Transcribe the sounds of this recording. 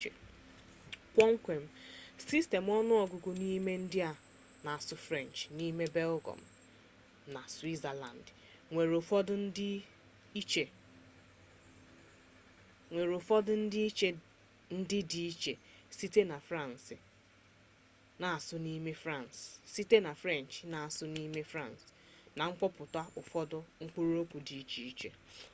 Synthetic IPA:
kʷɔ˦ŋ̩˦kʷe˨m̩˦si˦ste˨m˦ɔ˦nʊ˦ɔ˨ɡʊ˨ɡʊ˨ni˦me˦n̩˦dɪ˦a˨ | na˨a˨sʊ˦fɾɛ˦˨n˨t͡ʃni˦me˦bɛ˦lɡɔ̰˨m̩˨ | na˨swi˦za˨la̰˨n˨d | ŋʷe˨ɾo˨fɔ˦dʊ˦n̩˦dɪ˦ | i˦t͡ʃe˨ | ŋʷe˨ɾo˨fɔ˦dʊ˦n̩˦dɪ˦i˦t͡ʃe˦ | n̩˦dɪ˦di˨i˦t͡ʃe˨si˦te˦na˨fɾa˦˨n˨sɪ˨ | na˨a˨sʊ˦ni˦me˦fɾã˦˨nssi˦te˦na˨fɾe˦˨n˨t͡ʃna˨a˨sʊ˦ni˦me˦fɾa˦˨ns | na˨ŋ͡m̩˦k͡pɔ˦pʊ˨ta˦ʔʊ˨fɔ˦dʊ˦ŋ̩˦k͡pu˦ɾu˦o˦kʷu˨di˨i˦t͡ʃi˨i˦t͡ʃe˨

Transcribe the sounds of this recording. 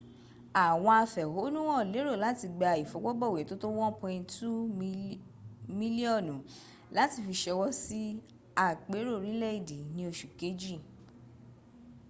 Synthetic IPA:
a˨w̃ɔ̃˧a˧fɛ˨ho˨˦nũ˦wɔ̃˦˨le˨˦ɾo˦˨la˨˦ti˧ɡ͡ba˨˧˨i˨fɔ˨˦ɡ͡bɔ˦ɡ͡bɔ˦˨we˨˦to˦to˦wɔ̃˦pɔ̃˧ĩ˧tu˦ | mĩ˦li˦ɔ˦˨nũ˨˦ | la˦ti˧˨fi˧ʃɛ˧wɔ˦si˦ | a˦˨k͡pe˨˦ɾo˦˨ɾĩ˨˦lɛ˦i˦˨de˨˦nĩ˧o˧ʃu˨ke˨˦d͡ʒi˦˨

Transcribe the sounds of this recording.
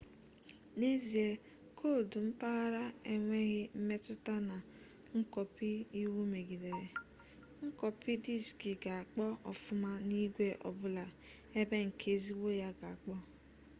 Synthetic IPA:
ne˦zi˨e˦ | kʰo˦˨du˨m̩˦pa˦ɣa˦ɾa˦e˦ŋʷe˦ɣɪ˦m̩˦me˦tʊ˦ta˦na˨ | ŋ̩˦kɔ˨pi˦i˦wu˦me˨ɡi˨de˨ɾe˨ | ŋ̩˦kɔ˨pi˦di˦˨ski˨ɡa˨a˨k͡pɔ˦ɔ̰˨fʊ˦ma˦ni˦ɡʷe˦ʔɔ̰˨bʊ˦la˨ | e˦be˦ŋ̩˨kʰe˨zi˦wo˦ja˦ɡa˨a˨k͡pɔ˦

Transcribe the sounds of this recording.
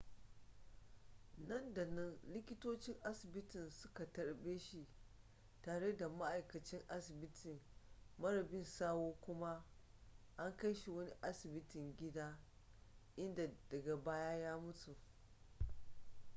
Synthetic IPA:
nɐ˦˨nda˨nɐ˦nlɪ˦kʲɪ˦toː˦t͡ʃɪ˦ŋʔa˦sɪ˨bɪ˦tɪ˨nsʊ˦ka˨tɐ˨ɽbeː˦ʃi˨ | taː˨ɽe˦da˨ma˦ʔa˨jkɐ˨t͡ʃɪ˦ŋʔa˦sɪ˨bɪ˦tʰɪ˨ŋmɐ˦ɾɐ˨bɪ˦nsaː˦woː˦kʷʊ˦ma˦ | ʔa˦ŋkɐ˦jʃi˨wɐ˦ni˦ʔa˦sɪ˨bɪ˦tɪ˨ŋɡʲɪ˦daː˦ | ʔɪ˦nda˨d̥ɐ˨ɡa˨baː˦jaː˦jaː˦mʊ˦tu˨

